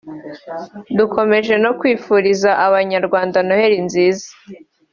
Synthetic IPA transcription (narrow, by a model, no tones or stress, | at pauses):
duko̞me̞ʒe̞no̞kwiːfuːɾizaʔaβaɲaɾɡwaːndanohe̞ɾinziːzḁ